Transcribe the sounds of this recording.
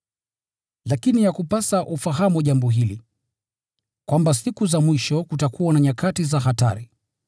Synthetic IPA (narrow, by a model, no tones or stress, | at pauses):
lakinijakupasaʔufaɦamuaʄambɔɦili | kwambasikuzamwiʃɔkutakʰuwanaɲakatizaɦata̰ɾi